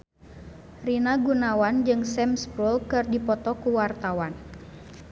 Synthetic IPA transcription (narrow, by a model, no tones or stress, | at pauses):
rinaɡunawand͡ʒɨŋsɛmspɾulkɨrdipɔt̪ɔkuwart̪awan